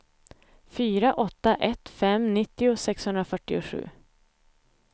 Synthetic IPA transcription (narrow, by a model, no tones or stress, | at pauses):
fyːɾaʔɔt̪ːaʔɛt̪fɛmnɪt̪ːɪʊsɛkshɵnd̪ɾafœʈːɪʊɧʉ̟̰ː